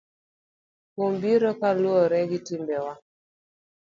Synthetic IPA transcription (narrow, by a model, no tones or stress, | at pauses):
kombiɾɔkalwɔɾɛɡitimbɛwa